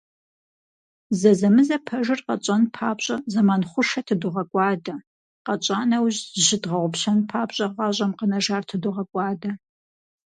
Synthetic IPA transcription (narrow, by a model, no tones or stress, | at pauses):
zɐzɐmɨzɐpʰɐʒɨrqɐt͡ʃʼɐnpʰaːbɕʼɐzɐmaːnχʷʊʂɐtʰɨdʊʁɐkʷʼɑːdɐ | qɐt͡ʃʼaːnɐwʑʑɪdʁɐʁʷʊpɕɐnpʰaːbɕʼɐʁɐʑʷʼɐmqənɐʒaːrtʰɨduʁɐkʷʼɑːdɐ